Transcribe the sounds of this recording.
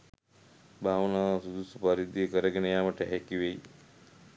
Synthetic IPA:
bʱaːʋənaːsud̪usupaɾid̪ikəɾəɡenejaːməʈəɦɛkiʋej

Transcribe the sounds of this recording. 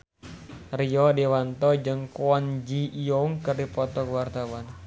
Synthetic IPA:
riɔdiwant̪ɔd͡ʒɨŋkwɔnd͡ʒiːɔŋkɨrdipɔt̪ɔkwart̪awan

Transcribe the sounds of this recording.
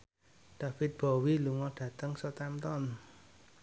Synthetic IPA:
ɖ̥a̤fɪt̪̚b̥ɔ̤wiluŋɔɖ̥ä̤t̪əŋsɔt̪ɛmt̪ɔn

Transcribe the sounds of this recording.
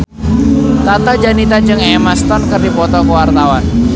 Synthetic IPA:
t̪at̪ad͡ʒanit̪ad͡ʒɨŋɛmast̪ɔnkɨrdipɔt̪ɔkəwart̪awan

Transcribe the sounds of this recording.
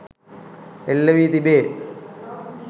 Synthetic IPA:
elːɐʋiːt̪ibe

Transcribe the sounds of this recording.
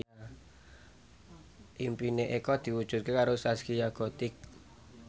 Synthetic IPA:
ʔimpineʔekɔd̪̥i̤wud̥ʒ̥ṳt̪̚kekaɾosaskijaɡ̥o̤t̪ɪk̚

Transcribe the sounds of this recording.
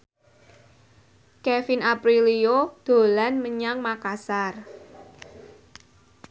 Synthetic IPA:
kɛfinapɾiliod̪̥o̤lanməɲaŋmakasar

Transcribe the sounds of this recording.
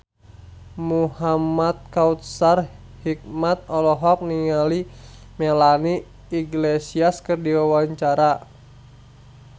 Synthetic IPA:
muhamat̪̚kaut̪̚sar | hik̚mat̪̚ɔlɔɦɔk̚niŋali | melaniː | ɡlesiaskɨrdiwawaɲt͡ʃaɾa

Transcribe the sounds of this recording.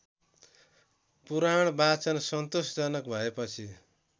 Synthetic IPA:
puɾaɽ̃bat͡sʌnsʌnt̪osd͡zʌnʌkbʱʌepʌt͡sʰi

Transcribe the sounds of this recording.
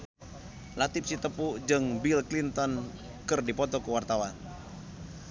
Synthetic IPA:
lat̪ɪp̚sit̪əpud͡ʒɨŋbilklint̪ɔn | kɨrdipɔt̪ɔkəwart̪awan

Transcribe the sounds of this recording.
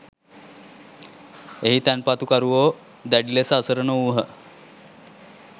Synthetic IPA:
eɦit̪ænpat̪ukaɾuʋo | d̪æɖilesəːsəɾənəuɦə

